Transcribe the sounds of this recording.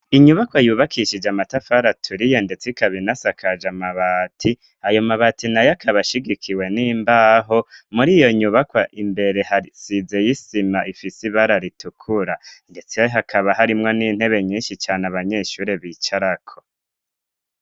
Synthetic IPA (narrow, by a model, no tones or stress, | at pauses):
iɲuβakwajuːβakʰiʃid͡ʒamatafaɾatʰuɾijende̞t͡sikaβinasakʰad͡ʒamaβaːtʰi | ajo̞maβatinajakʰaβaʃiɡikʰiwe̞niːmbaːɦo̞muɾijo̞ɲuβakwaʔimbe̞ɾe̞haisize̞jisimaʔifisiβaɾaɾitukʰuɾande̞t͡sijɦakʰaβaɦaɾimŋo̞niːn̥he̞βe̞ɲiːnʃit͡ʃaːnaβaɲe̞ʃuːɾeβiːt͡ʃaɾakʰo̞̥